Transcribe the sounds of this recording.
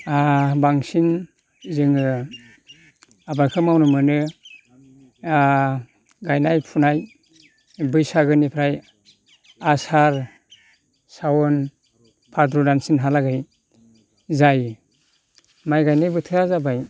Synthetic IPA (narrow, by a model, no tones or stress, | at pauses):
abaŋsin | zɯŋɯ | abaɾkʰɯmawnɯmɯnɯ | ɡajnajpʰunaj | bɯjsaɡɯnipʰɾaj | asaɾ | sawɔn | pʰaɾdɾudansinɦalaɡaj | zaj | majɡajnajbɯtʰɯazabaj